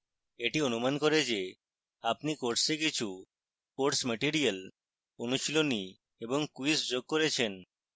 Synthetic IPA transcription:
eʈionumankoɾed͡ʑe | apnikoɾʈsekit͡ɕʰu | koɾʈsmeʈiɾial | onuʃiloni | eboŋkuisd͡ʑoɡ̚koɾet͡ɕʰen

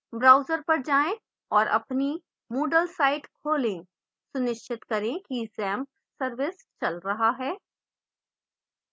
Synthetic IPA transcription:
bɾaːʊzəɾpɐɾd͡ʒaːẽ | ɔːɾʔɐ̰pni | muːɖəlsaːɪʈkʰoːlẽ | sʊnɪʃt͡ʃɪt̪kɐɾẽkizɛ̃ːm | sɐɾʋɪs | t͡ʃɐlɾɐɦaɦɛː

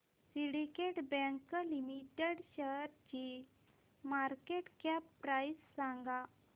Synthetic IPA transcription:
siɽɖikeʈbɛ̃ŋkəlimiʈeɽɕəɾt͡ɕi | maɾkeʈkɛpːɾajsːãŋɡa

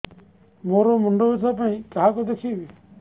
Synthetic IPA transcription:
moːɾoːmʊɳɖoːsaːpaĩːkəɦaːkoːd̪eːkʰiːʋi

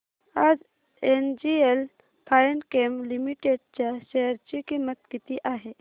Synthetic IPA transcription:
aːd͡ʒ | eːnd͡ʒiel | pʰaːnkeːmlimiʈeːɖ̚t͡ʃaʃeɦəɾt͡ʃikimət̪̚kit̪iʔaːɦe

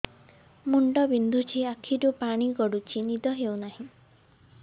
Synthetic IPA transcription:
muɳɖɔbind̪ʱut͡ʃʰiakʰiɾupaɽ̃iɡɔɽut͡ʃʰinid̪ɔɦewnaɦĩ

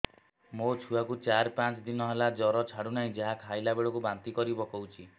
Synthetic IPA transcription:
mot͡ʃʰuakut͡ʃaɾpãt͡ʃd̪inɔɦelad͡ʒɔɾɔt͡ʃʰaɽunaɦĩd͡ʒaɦakʰajlabeɽɔkubant̪ikɔɾibɔkɔwt͡ʃʰi

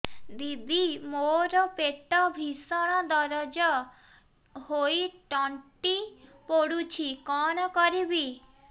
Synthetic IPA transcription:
d̪ib̪imoɾɔpeʈɔbʱisɔɽ̃ɔd̪ɔɾɔd͡ʒɔ | hoiʈɔɳʈipoɽut͡ʃʰikɔnɔkɔɾibi

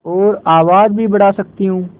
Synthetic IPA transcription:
ɔːɾaːʋaːd͡ʒbʱibɐɽaːsɐk̚t̪iɦũː

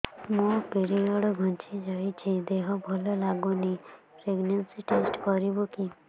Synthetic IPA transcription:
mũpeɾiɔɽɔɡʱɔ̃nt͡ʃid͡ʒajt͡ʃʰid̪eɦɔbʱɔlɔlaɡɔnipɾeɡnansiʈesʈkɔɾiboki

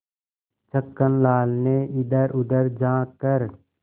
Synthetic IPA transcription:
t͡ʃəkːənlaːlneɪd̪əɾʊd̪əɾd͡ʒãːkəɾ

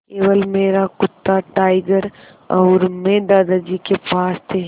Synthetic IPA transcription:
keːʋəlmeːɾakʊt̪ːaʈaːɪɡəɾ | ɔːɾmẽd̪aːd̪ad͡ʒikepaːst̪ʰe

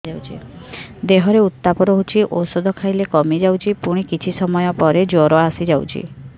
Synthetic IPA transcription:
awt͡ʃʰḭd̪eɦɔɾeut̪ːapɔɾɔɦut͡ʃʰiʔosɔd̪ʱɔkʰajlekɔmid͡ʒawt͡ʃʰipuɽ̃ikit͡ʃʰisɔmɔjɔpɔɾed͡ʒoɾɔasid͡ʒawt͡ʃʰḭ

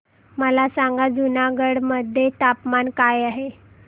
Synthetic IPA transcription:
məlasaŋɡad͡zunaɡəɽməd̪ʱːjet̪apmankajaɦe

